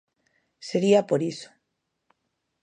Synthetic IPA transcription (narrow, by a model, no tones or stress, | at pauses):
seɾiapoɾiso̥